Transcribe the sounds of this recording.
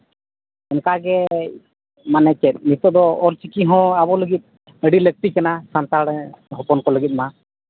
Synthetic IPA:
ɛnkaɡɛ | manɛkɛt̪̚nit̪ɔd̪ɔɔɾt͡ʃikiɦɔ̃abɔləɡit̪̚ˀ | əɖilək̚t̪ikanasant̪aɽɦɔpɔnkɔləɡit̪̚ma

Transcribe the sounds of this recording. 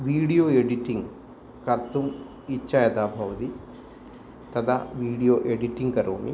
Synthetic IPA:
ʋiːɽijoːeɖiʈiŋɡ | kɐɾt̪ʰum | it͡ʃːajɐd̪aːbʱɐʋɐt̪i | t̪ɐd̪aʋiːɽijoːʔeɖiʈiŋɡkɐɾoːmḭ

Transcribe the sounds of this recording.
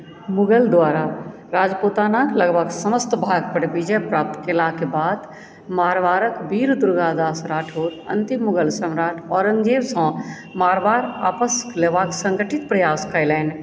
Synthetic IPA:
mʊɡəld̪waːɾa | ɾaːd͡ʒpoːt̪aːnaːkləɡbʱəɡsəməst̪bʱaːɡ̚pəɾbid͡ʒəjpɾaːp̚t̪kelaːkebaːd̪ | maːɾʋaːɾəkbiːɾd̪ʊɾɡad̪aːsɾaːʈʰoːt̪ə̰nt̪imːʊɡəlsəmɾaːʈʰɔːɾə̃ŋɡd͡ʒeːbsə̃ | maːɾbaːɾaːpəsleːʋaːksə̃ŋɡəʈʰit̪pɾɐjaːskəɪlɛːn

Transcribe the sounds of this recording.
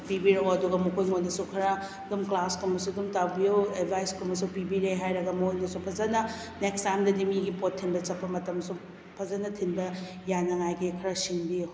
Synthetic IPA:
pibiɾɐwɐduɡɐmukʰojŋojnɐsukʰɐɾa | dumklaskomɐsudumtawbijoed̚bʱajskomɐsupibiɾeɦajɾɐɡɐmuojnɐsupʰɐzɐnɐ | nekstamdɐdimiɡipotʰːinbɐt͡ʃɐpːɐmɐtɐmsu | pʰɐzɐnɐtʰinbɐ | janɐŋajɡikʰɐɾasiŋbijo

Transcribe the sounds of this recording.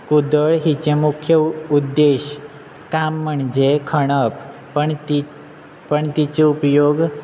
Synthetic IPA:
kud̪əɭɦit͡ɕemukʰjəud̪ːeɕ | kamːəɳd͡ʑekʰəɽ̃əp | əɳt̪i | pəɳt̪it͡ɕeupjoɡ

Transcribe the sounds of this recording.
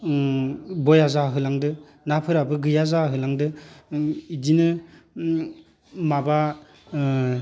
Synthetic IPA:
bɔjazaɦɯlaŋdɯ | napʰɯɾabɯɡɯjazaɦɯlaŋdɯ | idinɯ | maba

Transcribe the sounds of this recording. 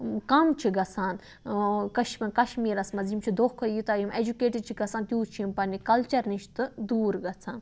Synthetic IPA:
kɐmt͡ʃʰiɡɐt͡sʰaːn | kɐʃmʲɐnkɐʃmiːɾɐsmɐzimt͡ʃʰid̪okʰːɐjit̪aːimed͡ʒukeːʈit͡ʃʰiɡɐsʰaːnt̪ʲjuːt͡ʃʰiimpɐnikɐlt͡ʃɐɾniʃt̪ɨd̪uːɾɡɐt͡sʰaːn

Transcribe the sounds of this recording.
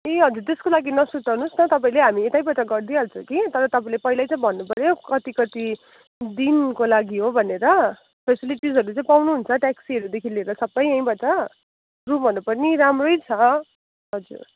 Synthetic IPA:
eɦʌd͡zuɾt̪eskolaɡinʌsutʌnusnʌt̪ʌpaĩleɦamiet̪ajbʌt͡saɡʌrd̪ialt͡sʰʌkit̪ʌɾʌt̪ʌpãĩlepʌɦilajt͡saĩbʱʌnːupʌɾjokʌt̪ikʌt̪i | d̪inkolaɡiɦobʱʌneɾʌ | pʰesiliʈisɦʌɾut͡sãĩpawnuɦunt͡sʰʌʈaksiʌɾud̪ekʰileɾʌsʌbʌjʌ̃j̃bʌt͡sa | rubʱʌnupʌrniɾamrojt͡sʰʌ | ɦʌd͡zṵɾ

